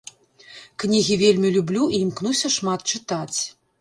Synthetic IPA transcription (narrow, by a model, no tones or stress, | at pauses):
knʲiɣʲivʲelʲmʲilʲublʲuiːmknusʲɐʂmat̪̚t͡ʂɨt̪at͡sʲ